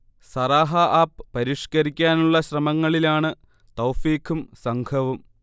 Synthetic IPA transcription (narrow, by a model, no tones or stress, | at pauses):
sɐraːɦɐʔaːppɐɾiʂkɐɾikʲːaːnuɭːɐɕrɐmɐŋːɐɭilaːɳɨ | t̪ɐwfiːkʰumsɐŋkʰɐʋum